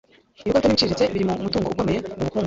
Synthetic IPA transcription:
ijikotaniit͡ʃiːɾit͡seβiɾimumutuːŋɡouɡomejeoβukuː

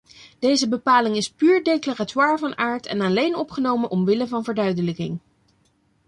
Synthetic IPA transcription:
d̥ejzəbəpaːlɪŋɪspyːɹdejklaratwaːɹvɑnaːɹtʰɛ̰nalejnɔpχənowmənʔɔmʋɪləvɑnvəɹdœɥdələkɪ̰ŋ

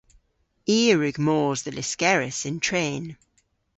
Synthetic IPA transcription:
iːɹʉɡmɔːzðəlɪskɛɹɪsɪ̃ntʰɹ̥ẽːn

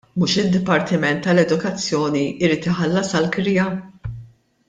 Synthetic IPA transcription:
muːʃɪd̪ːɪpɐɾt̪ɪmɛnt̪ːɐlɛd̪ʊkɐt͡sːjɔːniɪɾiːt̪ɪħɐlːɐsɐlkɾɪjɐ

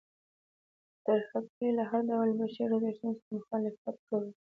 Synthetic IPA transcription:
d̪̥əxat̚kelaɦaɾɖawlbəʃiɾazaʃt̪unsɾamʊxɑlɪfat̪̚kawi

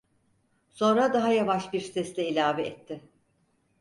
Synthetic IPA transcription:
so̞nɾad̪aɦajavaʃbiɾst̪ɛst̪ɛilʲaːvɛɛt̪ʰːɪ

